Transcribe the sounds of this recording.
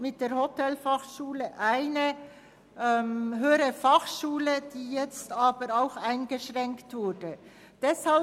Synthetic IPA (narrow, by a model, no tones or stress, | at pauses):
mɪt̚d̥eːɾhotɛlfaχʃuːləʔaɪnə | ɛmɦøːəɾəfaχʃuːləd̥iːjɛt͡staːbəɾaʊxaɪnɡəʃʁɛŋktv̥ʊɾdə | d̥ɛshal